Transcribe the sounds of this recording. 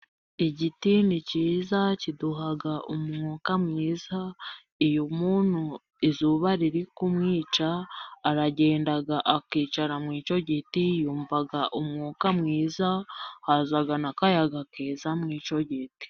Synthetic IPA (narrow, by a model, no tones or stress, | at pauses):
iɟitiniciːzaciduɦaɡaʔumŋuːkamŋiːza | ijomuːn̥hu | izuːβaɾiɾikumŋiːt͡ʃaːɾaɟe̞ːndaɡaʔakiːt͡ʃaɾamŋiːt͡ʃo̞ɟitijuːmvaɡaʔumŋuːkamŋiːzahazaɡanakajaɡakeːzamŋiːt͡ʃo̞ɟiti̥